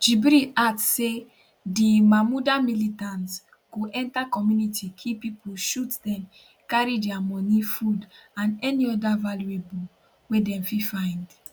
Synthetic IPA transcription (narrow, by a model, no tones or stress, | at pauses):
d͡ʒibɾiadsse | dimamudamilitãnts | ɡ̥oʔɛ̃ntakɔmjunitikʰipipʰuʃutdɛ̃m | kaɹidɛamɔnifudãnɛniɔdavaljuebu | wedɛ̃mfifãɪ̃nd